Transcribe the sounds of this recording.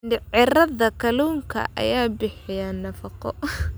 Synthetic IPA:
ɖɪʕɪɾɐðɐkʰɐluːŋkʰɐ̰ʔɐ̰jaːbɪħɪjanɐfɑqɔ̰

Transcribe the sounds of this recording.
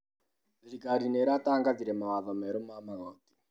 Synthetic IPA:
ɾiɡʱaɾineɾataŋɡad͡ziɾemawavameɾomamaɦoːti̥

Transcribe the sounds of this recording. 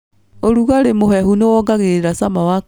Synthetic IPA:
oɾuɣaɾemoɦɛɦunewɔɡaɣeɾeɾasamawa

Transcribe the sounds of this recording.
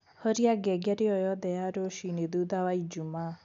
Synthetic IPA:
hɔɾijaɡɛɡaɾiɔjɔd̪ɛjaɾoʃinid̪ud̪awajd͡ʒuma

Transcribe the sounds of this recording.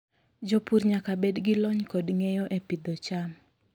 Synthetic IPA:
d͡ʒɔpuɾɲakabedɡɪlɔɲkɔdŋejɔʔepid̪ɔt͡ʃam

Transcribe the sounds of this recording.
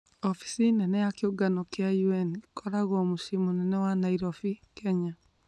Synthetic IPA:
ɔfi̥sinɛnɛjakeoɡanɔkeajuɛnkɔɾaɣɔmoʃimonɛnɛwanaiɾɔfikɛɲa

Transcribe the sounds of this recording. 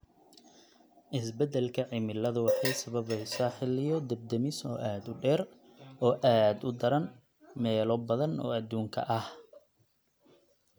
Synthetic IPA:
ʔɪsbɛd̪ɛlkʰɐʕɪmɪlːɐðʊwɑħɑjsɐβɐβɛjsaːħɪlɪjɔd̪ɐb̚d̪ɐmɪsɔ̰ːʔaːd̪ʊɖɛːr | ɔːʔaːd̪ʊd̪ɐɾɐn | mɛːlɔbɐðɐnɔ̰ːɐd̪uːŋkʰɐ̰ʔɐh

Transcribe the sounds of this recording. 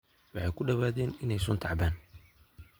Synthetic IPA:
wɑħɑjkʰʊɖɐβaːðɛːnɪnɛjsʊnt̪ʰɑʕbaːn

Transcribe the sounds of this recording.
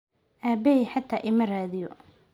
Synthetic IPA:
ʔaːbɛɛħɑt̪ʰaːʔɪmɐraːðɪjɔ̰

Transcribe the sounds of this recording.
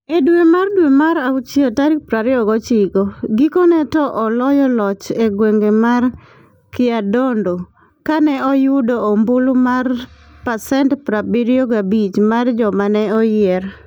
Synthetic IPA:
edwemardwemaɾaʊt͡ʃiotaɾipɾaɾɛɔɡɔt͡ʃiɡoɡikɔnɛtɔʔɔlɔjɔlɔt͡ʃeɡweŋɡemar | kɪadondo | kanɛɔjʊdoːmbulmar | pasɛntpɾabiɾjoɡabit͡ʃmard͡ʒɔmanɛɔjɛr

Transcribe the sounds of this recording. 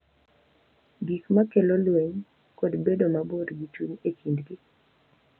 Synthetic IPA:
ɡikmakelolweɲ | kodbedomabodɡit͡ʃuɲekindɡɪ

